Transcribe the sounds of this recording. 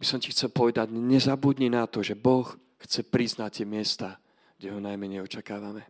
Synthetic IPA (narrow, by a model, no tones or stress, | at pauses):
bisɔmcixt͡sɛlpɔʋɛd̪aɟɲɛzabud̪ɲɛnat̪ɔʒɛbɔx | xt͡sɛpɾiznact̪ɪɛmɪɛst̪aː | ɡ̥ɟɛɦɔnajmɛɲɛjɔt͡ʃakaːʋamɛ